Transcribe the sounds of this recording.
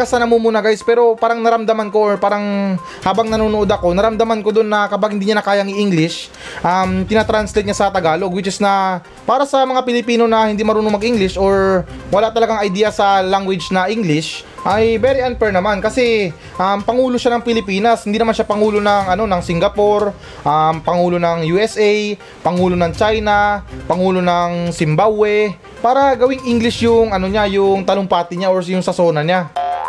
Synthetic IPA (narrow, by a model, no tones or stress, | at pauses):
kɐsɐnɐmumuːnɐɡajspɛːɾo̞paːɾɐŋnɐɾɐmd̪ɐmanko̞ʔɹpaːɾɐŋ | haːbɐŋnɐnuːnoʔo̞d̪ɐko̞nɐɾɐmd̪ɐmanko̞d̪onːɐkɐpaɡhɪnd̪iːɲanɐkaːjɐŋɪʔiŋɡlɪʃ | ʔɐmt̪ɪnat̪ɾanslɛjt̪̚ɲasɐt̪ɐɡaːlo̞ɡwɪt͡ʃɪsnɐ | paːɾɐsɐmɐŋapɪlɪpiːno̞nɐhɪnd̪imɐɾuːnomɐɡʔiŋɡlɪʃʔoɹwɐlaʔt̪ɐlɐɡaŋɐjd̪iːjɐsɐlaŋɡwɪd͡ʒnɐʔiŋɡlɪʃ | ʔɐjbɛɾiʔanpɛɹnɐmankɐsɛ | ʔɐmpɐŋuːlo̞ʃanɐŋpɪlɪpiːnɐshɪnd̪inɐmanʃapɐŋuːlo̞nɐŋɐno̞nɐŋsɪŋɡɐpo̞ɾ | ʔampɐŋuːlo̞nɐŋjuʔɛsʔɛj | pɐŋuːlo̞nɐŋt͡ʃajnɐpɐŋuːlo̞nɐŋsɪmbawɛ | paːɾɐɡɐwɪŋʔiŋɡlɪʃjʊŋɐno̞ɲajʊŋt̪ɐloŋpaːt̪ɪɲaoɹjʊŋsɐso̞ːnɐɲa